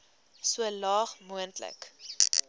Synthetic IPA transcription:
suəlɑːχmuəntlə̰k

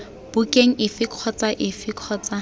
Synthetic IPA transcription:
b̥ukʼeŋ̩ɪfɪkʰɔt͡saʔɪfɪkʰɔːt͡sa

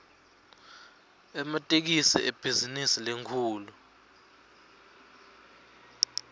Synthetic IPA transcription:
ɛmatʼek̬isɛ̰ʔeb̥ʱizinisileŋkʰuːlu

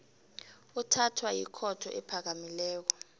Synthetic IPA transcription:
utʰatʰwajḭkʰɔtʰɔ̰ʔɛpʰak̬amilɛːk̬ɔ

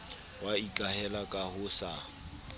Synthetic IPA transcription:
waikʼahɛlakʼahʊsa

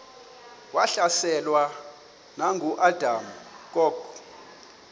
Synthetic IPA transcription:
waɬasɛlwa | naŋɡʱuʔadʱam̩kʼɔːɡ̥

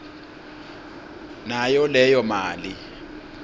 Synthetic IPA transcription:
najɔlɛjɔmaːli

